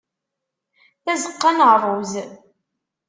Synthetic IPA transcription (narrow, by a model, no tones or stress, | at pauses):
θæzəqːɑnʁrˤʊz